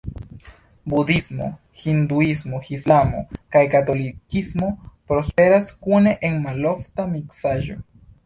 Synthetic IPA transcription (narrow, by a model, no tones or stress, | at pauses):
budismo̞̰ | hind̪uismo̞xislamo̞̰kajkato̞likismo̞pɾo̞spe̞ɾaskune̞ʔenmalo̞ftamiksaʒo̞̰